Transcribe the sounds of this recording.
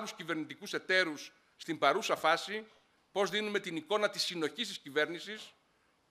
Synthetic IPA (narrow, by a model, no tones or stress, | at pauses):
luscive̞ɾnit̪ikuse̞t̪e̞ɾusː | t̪imbɐɾusɐfɐsi | po̞zðinume̞t̪iniko̞nɐt̪isino̞çist̪iscive̞ɾnisis